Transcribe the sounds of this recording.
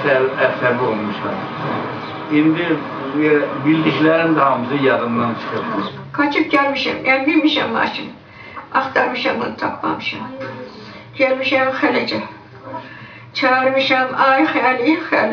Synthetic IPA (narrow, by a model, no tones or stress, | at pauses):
sælæsæbiolˠmuʃɑm | ind̪i | bild̪içlæɾind̪æhɑmɯzɯjɑd̪ɯmd̪ɑnt͡ʃʰɯ̥xɯpmɯ | kʰɑt͡ʃʰɯp̚ɟælmiʃæ̰mʔænbilmiʃæ̰mːɑ̰ːt͡ʃʰɯn | ɑχt̪ʰɑɾmɯʃɑmonɯt̪ʰɑpʰːɑ̰mɯʃɑ̰m | ɟ̥ælmiʃæmxælæd͡ʒæ | t͡ʃʰɑɯɾmɯʃɑmɑːɾɯxælijixæ̰l